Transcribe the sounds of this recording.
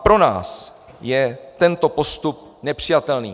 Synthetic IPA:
pɾo̞na̰ːs | jɛt̪ɛnt̪o̞po̞st̪up̚ | nɛpr̝̥ɪjat̪ɛlnḭː

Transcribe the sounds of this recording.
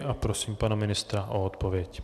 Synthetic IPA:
ʔapɾosiːmpanamɪnɪst̪ɾaʔoot̪povjɛc

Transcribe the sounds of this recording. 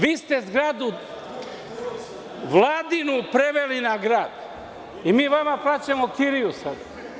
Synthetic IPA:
ʋiːst̪ezɡɾad̪u | ʋlˠaːd̪inupɾeʋelinaɡɾaːd̪̥ | imiːʋamaplˠaːt͡ɕemokiɾijusad̪a

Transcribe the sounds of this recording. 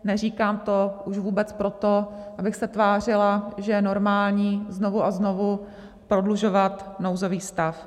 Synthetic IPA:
nɛr̝iːkaːmt̪oʔuʃvuːbɛt͡spɾo̞t̪oʔabɪxsɛt̪vaːr̝ɪlaʒɛjɛno̞ɾmaːlɲiːzno̞vuʔazno̞vu | pɾo̞dluʒo̞vat̪no̞wzo̞viːst̪af

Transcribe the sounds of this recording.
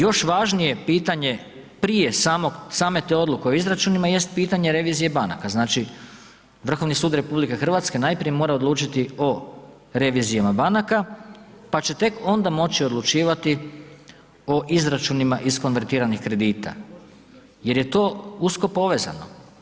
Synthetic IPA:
jo̞ʃʋaʒnije̞piːt̪aɲe̞ | pɾijesaːmosaːme̞t̪e̞o̞d̪lˠuke̞o̞izɾat͡ʃuːnimaje̞st̪̚piːt̪aɲe̞ɾe̞ʋiːzije̞bana̰kaznaːt͡ʃi | ʋr̩xo̞ʋnisuːd̪ɾe̞publike̞xr̩ʋat̪ske̞naːjpɾije̞mo̞ːɾao̞d̪lˠuːt͡ʃit̪io̞ | ɾe̞ʋizijamabanakapat͡ɕe̞t̪e̞ko̞nd̪amo̞t͡ɕiod̪lˠut͡ʃiːʋat̪i | o̞ʔizɾat͡ʃunimaʔisko̞nʋe̞ɾt̪iːɾanixkɾe̞d̪iːt̪a̰ | je̞ɾje̞t̪o̞ːusko̞po̞ʋe̞za̰no̞̰

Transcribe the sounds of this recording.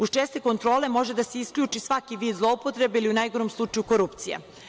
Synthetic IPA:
ust͡ʃest̪eko̞nt̪ɾo̞ːle̞mo̞ʒe̞d̪ase̞iskʎʲuːt͡ʃisʋakiʋiːd̪zlˠo̞upot̪ɾe̞beiliunajɡo̞ɾomslˠut͡ʃajuko̞ɾupt̪sijḛ

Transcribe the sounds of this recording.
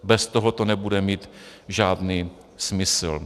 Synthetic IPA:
bɛst̪oɦot̪onɛbudɛmiːt̪ʒaːdniː | smɪsl̩

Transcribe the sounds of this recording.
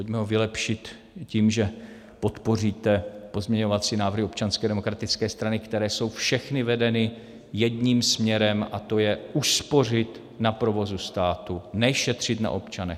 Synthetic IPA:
pocmɛɦo̞vɪlɛpʃɪt̪ | ciːmʒɛ | po̞t̪po̞riːt̪ɛpo̞zmɲɛɲo̞vat͡siːnaːvɾr̩ɦɪo̞pt͡ʃanskɛːdɛmo̞kɾat̪ɪt͡skɛːst̪ɾanɪkt̪ɛɾɛːso̞wfʃɛxnɪvɛdɛnɪ | jɛdɲiːmsmɲɛɾɛmʔa̰t̪o̞jɛʔuspo̞r̝ɪt̪ | napɾo̞vo̞zust̪aːt̪unɛʃɛt̪r̝̥ɪt̪na̰ʔo̞̰pt͡ʃanɛ̰x

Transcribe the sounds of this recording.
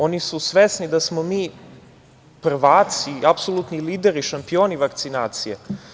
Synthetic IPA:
o̞nisusʋesnid̪asmomiː | pr̩ʋaːt̪siapsolˠut̪niliːd̪eɾiʃampio̞ːniʋakt̪sinaːt̪sije

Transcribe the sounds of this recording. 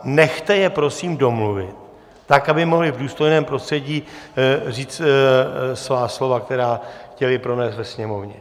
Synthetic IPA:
nɛxt̪ɛjɛpɾosiːmdo̞mluvɪ̰t̪̚ː | akabɪmo̞ɦlɪvduːst̪o̞jnɛːmpɾo̞st̪r̥ɛɟiːriːt͡st̪ | svaːslo̞vak̚t̪ɛɾaːxcɛlɪpɾo̞nɛːst̪vɛsɲɛmo̞vɲɛ

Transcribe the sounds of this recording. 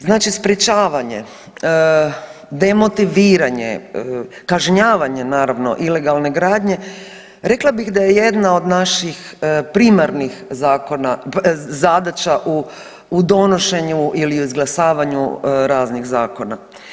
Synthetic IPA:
znaːt͡ʃispɾet͡ʃaːʋaɲe̞̰ | d̪e̞mo̞t̪iʋiːɾaɲḛ | kaʒɲaːʋaɲe̞naːɾaʋno̰ʔile̞ɡalˠne̞ɡɾaːd̪ɲe̞ | ɾe̞klˠabiɣd̪ajeje̞d̪nao̞d̪naʃixpɾimaɾnixzaːko̞nazad̪at͡ʃaʔuː | d̪o̞no̞ʃe̞ɲuʔiliuizɡlˠasaːʋaɲṵɾaːzniɣzaːko̞na̰

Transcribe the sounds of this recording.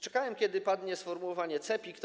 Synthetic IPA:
t͡ʂɛkawɛmkʲɛd̪ɘpad̪ɲɛsfɔɾmuwɔvaɲɛt̪sɛpʲikt̪

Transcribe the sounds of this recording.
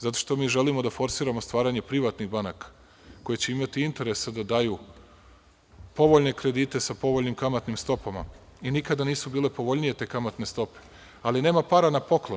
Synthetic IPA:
zat̪o̞ʃt̪o̞miːʒe̞limo̞d̪afo̞ɾsiːɾamost̪ʋaːɾaɲe̞pɾiʋat̪niɣbanakḁ | ko̞je̞t͡ɕe̞imat̪iint̪e̞ɾe̞sad̪ad̪aːju | po̞ʋoʎne̞kɾe̞d̪iːt̪e̞sapo̞ʋo̞ʎnimkamat̪nimst̪o̞pama̰ | inikad̪aniːsubiːle̞po̞ʋo̞ʎnije̞t̪e̞ːkamat̪ne̞st̪o̞pe̥ | aline̞ːmapaːɾanapo̞klˠo

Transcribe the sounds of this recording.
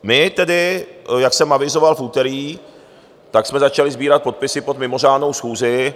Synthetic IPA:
mɪt̪ɛdɪjaksɛmʔavɪzo̞valfuːt̪ɛɾiː | t̪aksmɛzat͡ʃalɪzbiːɾat̪̚po̞t̪̚pɪsɪpod̪mɪmo̞raːdno̞wsxuːzɪ

